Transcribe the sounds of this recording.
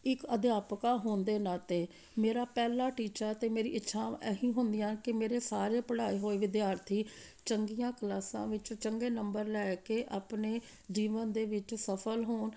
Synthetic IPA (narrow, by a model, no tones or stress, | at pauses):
ɪkəd̪jaːpkaːɦoːnd̪eːnãːt̪eː | meːɾaːpɛːlaːʈiːt͡ʃaːt̪eːmeːɾḭːʔɪtːʃʰãːɛ̰ɦĩːɦʊnd̪ɪjãːkɪmeːɾeːsaːɾeːpəɽaːiːɦoːiːʋɪd̪jaːɾt̪ʰiːt͡ʃəŋɡijãːkəlaːsã̰ːʋɪt͡ʃt͡ʃəŋɡeːnəmbəɾlɛːkeːʔaːpneː | d͡ʒiːʋənd̪eːʋɪt͡ʃsəpʰəlɦoːn